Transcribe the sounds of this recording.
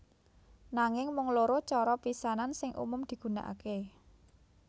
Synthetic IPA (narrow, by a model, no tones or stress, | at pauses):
naŋɪŋmʊŋloɾot͡ʃɔɾɔpisanansɪŋʔṵmʊmd̪̥i̤ɡ̥ṳna̰ʔa̰ke